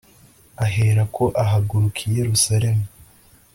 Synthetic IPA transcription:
aɦe̞ɾakʰo̞ʔaɦaɡuɾukʰije̞ɾusaɾe̞mu

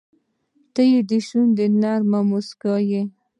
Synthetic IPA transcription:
t̪əjed̪əʃund̪ənɑɾmamuskaje

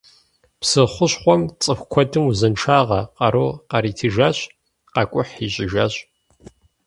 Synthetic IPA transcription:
psɨχʷʊɕχʷɔmt͡sʼɨxʷkʷʰɔdʰɨmuzɐnʈ͡ʂʰaːʁɐqɐɾoqɐɾiːtʰiʒaːɕ | qɑkʷʼʊħiɕʼɪʒaːɕʼ

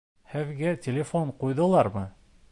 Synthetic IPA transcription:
hɘðɡætʲɪlʲɪfoɴqujðɤ̆lˠɑɾmɤ

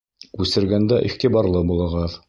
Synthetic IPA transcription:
ʉsɘ̆ɾɡænd̪æʔiχt̪ibɑɾlˠɤbulˠɤ̆ʁɑð

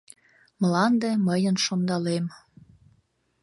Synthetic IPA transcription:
mlɑnd̪ĕməjənʃond̪ɑlem

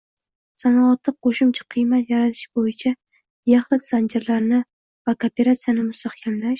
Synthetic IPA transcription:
sanɒɒt̪ʰːɨqoʃʊmt͡ʃʰḁqʰɨjmat̪jaɾat̪ʰɪ̥ʃbojɪt͡ʃʰa | jaχlɪsand͡ʒeɾlaɾnɪ | vakʰopʲe̞ɾat̪sijanɪmʊst̪aχkʲʰamlaʃ

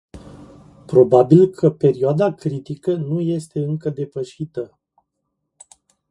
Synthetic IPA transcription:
pɾo̞babilkʰəpe̞ɾioad̪akɾit̪ikənuje̞st̪e̞ɨŋkəd̪e̞pəʃit̪ə

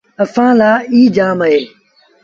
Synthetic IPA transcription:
əfãːlaːiːd͡ʒaːməɦeː

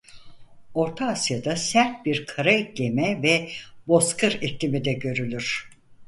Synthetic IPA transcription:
o̞ɾt̪ʰaːsjad̪asæɾt̪̚biɾkʰaɾaiclʲemɛvɛbo̞skʰɯɾeclʲimid̪ɛɟø̞ɾylʲyɾ̥

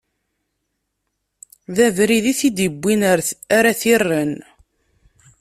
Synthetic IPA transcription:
ðævɾiðiθid̪əbʷːinaɾaθirːən

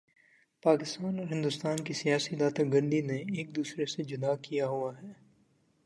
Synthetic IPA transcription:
paːkɪst̪aːnɔːɾɦɪ̃nd̪ʊst̪aːnkisijaːsid̪aːt̪aɡɐ̃ɳɖineeːk̚d̪uːsɾesed͡ʒʊnaːkijaɦuaɦɛː

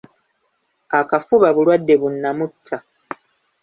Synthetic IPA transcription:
akafuβaβulwadːe̞βunːamutʰːa

